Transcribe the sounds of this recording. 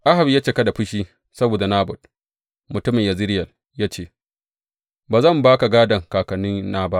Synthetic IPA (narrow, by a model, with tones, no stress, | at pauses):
ʔa˦ɦa˨bi˨jaː˦t͡ʃeː˦˨kɐ˦da˨ɸʊ˦ʃiː˦ | sɐ˦boː˨da˨naː˦bʊ˨t̚ | mʊ˨tʊ˦mɪ˨ɲja˨zɪ˦ɾɪ˦jɐ˨l | jaː˦t͡ʃeː˦˨ | baː˨zɐ˦˨mbaː˦ka˨ɡaː˦dɐ˨ŋkaː˨kɐ˨nːɪ˦nːaː˦ba˦ʔ